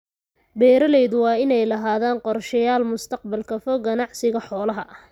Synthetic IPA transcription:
bɛːɾɐlɛjðʊwɑːɪnɛjlɐɦaːðaːnqɔrʃɐjaːlmʊst̪ʰɐqbɐlkʰɐfɔɡɐnɑʕsɪɣɐħɔːlɐɦɐ

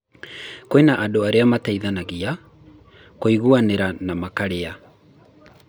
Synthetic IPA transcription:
koenaʔadoaɾeamataiðanaɣia | koiɣuaneɾanamakaɾea

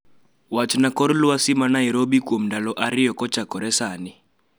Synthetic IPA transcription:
wat͡ʃʰinakʼɔɾuluwasimanaiɾobikʼom̩ndalɔʔaɾijɔkʼɔt͡ʃʰakʼɔɾɛsaːni

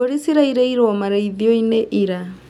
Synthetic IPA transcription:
ɔɾisiɾaiɾɛiɾɔmaɾaiðiɔineʔiɾa

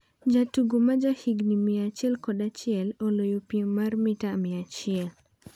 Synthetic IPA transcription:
d͡ʒatuɡomad͡ʒahiɡnimiat͡ʃɪɛlkɔdat͡ʃɪɛlolojopjeŋmarmɪtamɪat͡ʃɪɛl

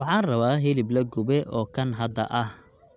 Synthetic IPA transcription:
wɑħɑːnrɐβaːɦɪlɪblɐɡʊbɛʔɔːkʰɐnɦɐd̪ɐ̰ʔɐh

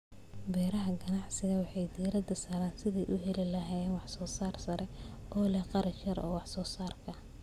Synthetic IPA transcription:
bɛːɾɐɦɐɡɐnɑʕsɪɣɐwɑħɑjd̪iːɾɐd̪ɐsaːɾaːnsɪðiːʔʊɦɛlɪlɐɦaːjɛnwɑħsɔːsaːrsɐɾɛʔɔːlɛqɑɾɐt͡ʃjɐɾɔ̰ːwɑħsɔːsaːrkʰɐ

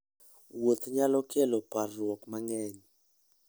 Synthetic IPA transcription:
wot̪ʰɲalɔkʰɛlɔparɔkmaŋɛːɲɛ

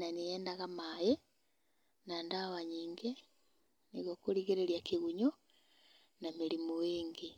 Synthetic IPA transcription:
nanejɛːndaɣamaje | nandawaɲiːŋɡe | niɣokoɾiɣeɾeɾjakiɣuɲo | nameɾimoweːŋɡe

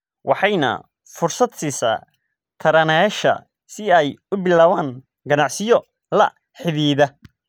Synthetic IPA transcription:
wʔɑħɑjnɐ̰ | fʊrsɐd̪sisa̰ː | t̪ʰɐɾɐnɛʃɐ̰ | sɪɛjʊbɪlaːwaːŋ | ɡɐnɑʕsɪjɔ | lɐ̰ | ħɪðiːðɐ

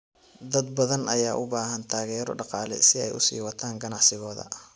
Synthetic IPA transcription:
d̪ɐd̪̚bɐðɐnɐjaːʔʊbaːɦɐnt̪ʰaːɣɛːɾɔ̰ɖɑqɑːlɛ̰sɪɛjʊsḭːwɑt̪ʰaːŋɡɐnɑʕsɪɣɔːðɐ̰

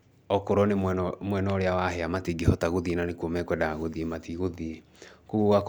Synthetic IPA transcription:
ɔkoɾɔnemmwɛnɔoɾeawaɦɛamatiɡehɔtaɣoðienanekwomɛkwɛdaaɣoðiematiɣoðie | koɣuɣak

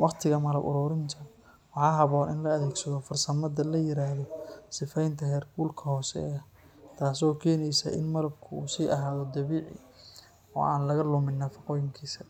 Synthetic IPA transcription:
wɑqt̪ʰɪɣɐmɐlɐbʔʊ̰ɾʊːɾɪnt̪ʰɐ | wɑħɑːɦɐβɔːnɪnlɐɐðɛːɡsɐðɔfɐrsɐmɐd̪ɐlɐjɪɾaːhðɔsɪfɛjnt̪ʰɐɦɛːrɡuːlkʰɐhɔːsɛ̰ɐ | t̪ʰaːs̬ɔːkʰɛːnɛjsɐʔɪ̰nmɐlɐb̚kʰʊuːsiːʔɐɦaːðɔd̪ɐβiːʕɪ̰ | ɔ̰ːa̰ːnlɐɣɐlʊmɪnːɐfɐqɔːjɪŋkʰiːsɐ

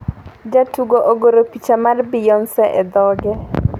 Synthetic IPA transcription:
d͡ʒatuɡoʔoɡoɾopit͡ʃamarbɪjɔnsɛʔɛd̪ɔɡɛ

